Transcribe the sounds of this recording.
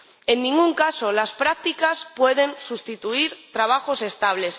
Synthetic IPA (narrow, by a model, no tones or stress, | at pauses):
e̞nːĩŋɡuŋkaso̞laspɾak̚t̪ikaspwe̞ð̞e̞nsust̪it̪uiɾt̪ɾaβ̞axo̞se̞st̪aβ̞le̞s